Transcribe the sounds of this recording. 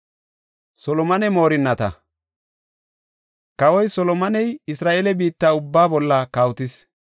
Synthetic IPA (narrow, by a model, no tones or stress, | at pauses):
sɔlɔmɐnɛmo̞ːɾɪnːɐt̪ɐ̰ | kɐwɔjsɔlɔmɐnɛjɪsɾaːʔeːlɛbiːt̪ːaːʊbːaːbɔlːɐkaːwt̪ɪs